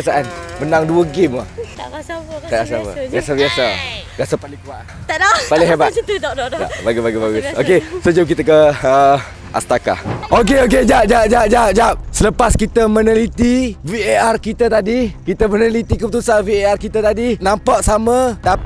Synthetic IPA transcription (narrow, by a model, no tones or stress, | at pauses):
asaʔanmənaŋduəɡɪma̰h | kada̰sapa̰biasabiasaɡasapalɪŋkuaʔapalɪŋɦeba | a̰baɡibaɡibaɡʊsokesod͡ʒumk̬it̪əkəə | ʔa̰st̪aka̰ʔok̬eok̬ed͡ʒaʔ̚d͡ʒaʔ̚d͡ʒaʔ̚d͡ʒaʔ̚d͡ʒap̚sələpaskit̪əmənəlit̪iviearkit̪ət̪adikit̪əmənəlit̪ikəpət̪usanviearkit̪ət̪adinãmpaʔsamə̃t̪a